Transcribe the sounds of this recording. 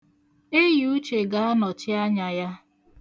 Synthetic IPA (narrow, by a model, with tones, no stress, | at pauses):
e˦ju˦t͡ʃe˨ɡa˦a˦nɔ˨t͡ʃɪ˦a˦ɲa˨ja˦